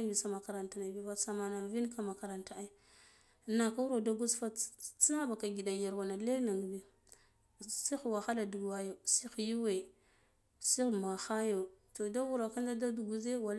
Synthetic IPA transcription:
bi˨sa˨ma˨ka˨ɾa˨nta˨na˨bi˦ba˦sa˨ma˨na˨lvi˦nka˨ma˨ka˨ɾa˨nta˨a˦˨ | na˨ka˦wu˦ɾo˨da˦ɡu˦sfa˦t͡si˦na˦ba˨ka˨ɡi˨da˨ja˨ɾwa˨na˨le˦ɾna˨ŋ˨bi˨ | si˦xwa˨xa˦la˨du˨ɡwa˨jo˨si˦xju˦we˨ | si˦˨ma˨xa˦jo˨to˨da˦wu˦ɾa˨ka˦nda˦da˦du˨ɡu˦ze˦wa˨l

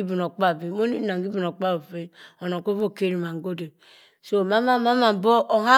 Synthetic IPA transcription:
i˦bi˨n˨o˨k͡pa˦˨bi˨˦mo˦ni˦na˨ŋɡi˦bi˨no˨k͡pa˦bo˨fe˦o˨no˨ko˦vo˦˨ke˦ɾi˨ma˨ŋ˨ɡo˦de˨ | so˦˨ma˦ma˦ma˦ma˨m˨bo˦ʔo˨ha˦

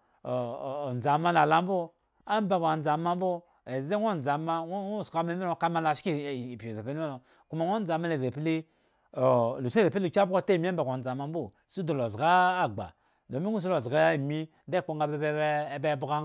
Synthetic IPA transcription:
n˨d͡za˨ma˦na˨la˦m˦bu˦ | a˦m˦ba˨ba˨n˨d͡za˨ma˦m̩˦bo˦ | e˨ze˦ŋʷo˦˨n˨d͡za˨ma˦˨ska˦me˦e˦o˨ka˦ma˦la˨ʃki˦˨po˨e˨pe˦n˦o˨ | ku˦ma˨ŋʷo˦n˦d͡za˨mːa˦le˨ze˨pi˦le˦ | o˨lu˨se˨pu˨ka˦bu˦ɡo˦te˦˨m˦a˦ba˨ɡa˨n̩˨d͡za˨ma˦m˦bo˦˨ | su˦du˨lo˨zɡa˦a˦ɡ͡ba̰˨ | lo˨mi˦ŋu˦s̬u˦lo˨zɡa˦a˦˨mi˦de˦˨k͡po˦ŋ˦ɡa˨bbe˦bu˦ɡa˦

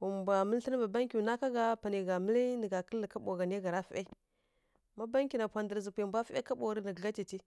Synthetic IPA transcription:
wu˨m˨bʷa˨mə˦lɬə˦n˦ba˨ba˦ŋkʲu˨na˦ka˦ɡa˦pa˨ni˨ɡa˨mə˦li˦nə˨ɡa˨kə˦lːə˨ka˦ɓo˨ɡa˨ni˦ɡa˨ɾa˦fi˦ʔe˦ | ma˦ba˦ŋkʲi˨na˨pʷa˨ndə˨ɾzə˨pʷe˨bʷa˦fḛ˦ka˦ɓo˨ɾə˦nə˨ɡɡa˦t͡ʃi˨t͡ʃi˦

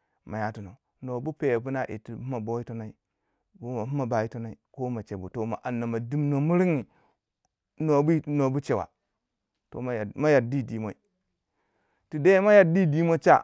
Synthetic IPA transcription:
ma˨ja˨tu˨no˨ | no˨bu˦pe˨pu˦na˦ʔḭ˨tu˨u˦ma˨bo˦i˦to˦na˨˦i˦ | bu˦ma˨mu˦ma˨ba˨ji˦to˦na˨i˨ko˦ma˨t͡ʃe˨bu˨to˨ma̰˨ʔa˨nːa˨ma˨di˦mno˨mu˦ɾi˦ŋi˨ | no˨bu˦˨no˨bu˦t͡ʃe˨wa̰˨ | to̰˨˦˨ma˦ja˨di˦˨di˨mo˦i˨ | ti˨da˦ma˦ja˨di˦˨di˦mo˦t͡ʃa̰˦

